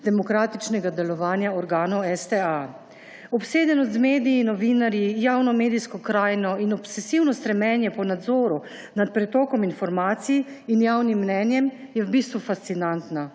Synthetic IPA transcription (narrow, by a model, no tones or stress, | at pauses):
d̪ɛmɔkɾaːt̪it͡ʃnɛɡad̪ɛlɔʋaːnjaɔɾɡaːnɔwɛst̪ɛa | ɔpseːd̪ɛnɔzmeːd̪ijinɔʋiːnaɾjijaːwnɔmeːd̪ijskɔkɾaːjnɔinɔpsɛsiwnɔst̪ɾɛmɛːnjɛpɔnad̪zɔːɾu | nat̪̚pɾɛt̪ɔːkɔminfɔɾmaːt̪sij | injaːwnimːnɛnjɛmjɛwbiːst̪ʋufast̪sinant̪na